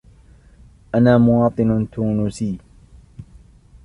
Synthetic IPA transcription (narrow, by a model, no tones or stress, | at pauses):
ʔanaːmʊwɑːt̪ˤɨnt̪uːnʊsiː